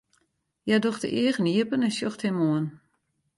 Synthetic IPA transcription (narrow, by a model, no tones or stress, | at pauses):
jadoxtə̰ʔiəɣəniəpənɛnsjoxthɪmoən